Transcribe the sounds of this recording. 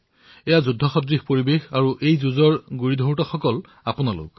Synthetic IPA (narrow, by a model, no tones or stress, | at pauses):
ɛjazudʱːɔxɔdɹixpoɹibexaɹuʔejzuzɔɹɡuɹidʱowtɔxɔkɔl | apʊnalʊ̰k